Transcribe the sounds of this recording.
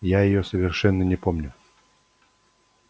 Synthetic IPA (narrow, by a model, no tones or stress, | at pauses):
jajɪjosəvʲɪrʂɛnːənʲɪpomnʲʊ